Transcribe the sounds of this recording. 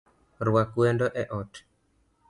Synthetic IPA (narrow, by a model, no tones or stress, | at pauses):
ɾwakwɛndɔʔɛʔɔt